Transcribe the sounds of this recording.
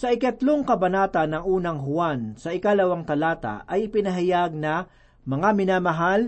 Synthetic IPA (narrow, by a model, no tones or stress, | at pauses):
sɐʔɪkɐt̪loŋkɐbɐnaːt̪ɐnːɐŋʔuːnɐŋɦʊwansɐʔɪkalɐwaŋt̪ɐlaːt̪a̰ʔɐjɪpɪnɐɦajaɡ̚nɐ | mɐŋamɪnaːmɐɦal